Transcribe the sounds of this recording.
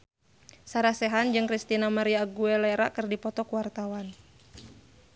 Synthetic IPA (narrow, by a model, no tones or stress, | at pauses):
saɾasɛɦand͡ʒɨŋkɾist̪inamaɾiaɡuɛlɛɾakɨrdipɔt̪ɔkuwart̪awan